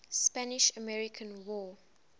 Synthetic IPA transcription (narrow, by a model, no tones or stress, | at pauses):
spænɪʃəmɛɹikʰə̃nwɔː